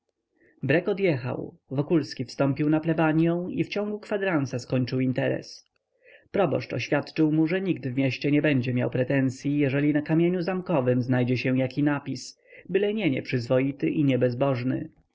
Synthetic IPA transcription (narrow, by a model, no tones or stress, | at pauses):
bɾɛkɔd̪jɛxa̰wvɔkulskʲifst̪ɔ̃mpʲiwnaplɛbaɲjɔ̃w̃ift͡ɕɔ̃ŋɡukfad̪ɾansaskɔɲt͡ʂɘwint̪ɛɾɛ̰s | pɾɔbɔ̰ʂt͡ʂɔ̰ɕfʲjat̪t͡ʂɘwmuʐɛɲiɡd̪vmʲjɛɕt͡ɕɛɲɛbɛɲd͡ʑɛmja̰wpɾɛt̪ɛnt̪sʲjijɛʐɛlʲinakamʲjeɲuzamkɔvɘmznajd͡ʑɛɕɛ̃jakʲinapʲis | bɘlɛɲɛɲɛ̰pʂɘzvɔjit̪ɘʔiɲɛbɛzbɔʐnɘ̰